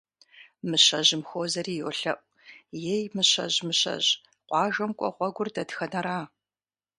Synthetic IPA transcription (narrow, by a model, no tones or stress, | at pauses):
mɨɕɐʑɪmxoːzɐriːjoɬɐʔ̚ʷ | jejmɨɕɐ̰ʑmɨɕɐ̰ʑ | qʷɑːʒɐmkʷʼɔ̰ʁʷɔɡʷʊrdɐdxɐnɐɾaː